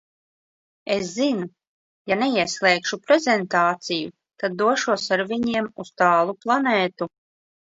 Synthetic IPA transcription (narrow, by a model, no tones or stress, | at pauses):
eszinu | janeiɛslˠɛːkʃupɾɛzent̪aːt̪siju | t̪ad̪ːuɔʃuɔsaɾviɲiɛmust̪aːlˠuplˠaneːt̪u